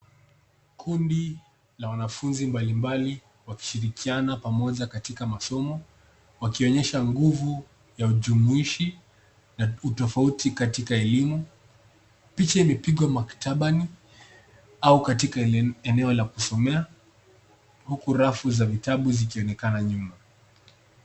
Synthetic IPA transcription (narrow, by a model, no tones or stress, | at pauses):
kʰundi | lawanafunzimbalimbali | waki̥ʃiɾikʰianapamɔʄakatikamasɔmɔ | wakiɔɲɛʃaŋɡuvu | jauʄumuiʃi | nautɔfautikatikaɛlimu | pit͡ʃaimɛpiɠwamaktaɓani | aukatikaɛnɛɔlakusɔmɛa | hukuɾafuzavitaɓuzikiɔnɛkanaɲuma